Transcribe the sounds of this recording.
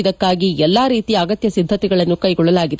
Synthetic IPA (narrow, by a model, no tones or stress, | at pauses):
d̪ɐkːaːɡiɛlːaːɾiːt̪iaːɡɐt̪jɐsid̪ʱːɐt̪iɡɐɭɐnːukɐjɡɔɭːɐlaːɡid̪